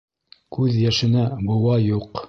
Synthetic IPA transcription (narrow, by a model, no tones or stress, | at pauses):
kʉðjæʃɘ̆næbɤ̆wɑjuq